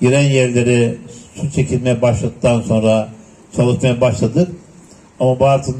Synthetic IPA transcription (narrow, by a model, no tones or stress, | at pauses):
jyɾænjæɾlʲe̞ɾisut̪t͡ʃʰe̞cʰilʲmejɛbaʃlˠad̪ɯk̚t̪ʰːanso̞nɾa | t͡ʃʰalˠɯʃmajabaʃlˠad̪ɯɾ | amabuaɾt̪ʰɯn